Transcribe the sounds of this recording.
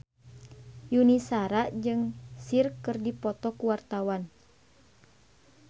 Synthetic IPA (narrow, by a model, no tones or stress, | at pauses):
junisaɾaʔd͡ʒɨŋsirkːɨrdipɔt̪ɔkuwart̪awan